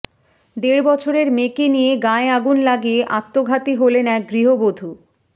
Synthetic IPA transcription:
d̪eɾbɔt͡ɕʰoɾeɾmekenijeɡaeaɡunlaɡieʔat̪ːoɡʱat̪iɦolenɛk̚ɡɾiɦobod̪ʱu

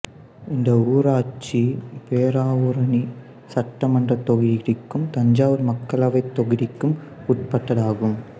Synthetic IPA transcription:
ɪnd̪ɐuːɾaːt͡ʃːipeːɾaːʋɯɾɐni | sɐʈːɐmɐndrɐt̪ːɔɣɪɾɪkːɯmt̪ɐɲd͡ʒaːʋɯɾmɐkːɐɭɐʋɐɪt̪ːɔɣɪɾɪkːɯmʊʈ̚pɐʈːɐðaːɣɯm

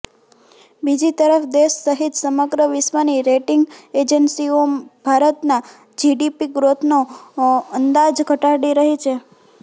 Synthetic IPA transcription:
bid͡ʒit̪əɾəfd̪eʃːəɦit̪səməɡɾəʋɪsʋəniɾeʈɪŋɡed͡ʒənsiob̥ʱaɾət̪na | d͡ʒiɖipiɡɾot̪ʰno | ənd̪ad͡ʒɡʱəʈaɾɽiɾəɦit͡ʃʰe

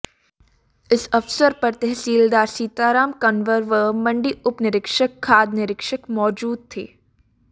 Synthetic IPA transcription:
ɪsɐfsəɾpɐɾt̪ɛɦsiːld̪aːɾsiːt̪aːɾaːmkɐnʋəɾʋəmɐ̃ɳɖiʔʊpnɪɾɪkʃəkʰːaːd̪nɪɾɪkʃəkmɔːd͡ʒuːd̪̚t̪ʰḛː

